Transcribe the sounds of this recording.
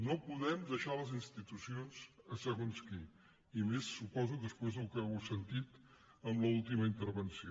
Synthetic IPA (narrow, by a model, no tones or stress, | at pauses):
nopuðɛmd̪əʃaləzinst̪it̪usionzəsəɣonski | imesːupɔzuðəspwezðəlˠkəwsənt̪it̪ | əmləulˠt̪iməint̪əɾβənsi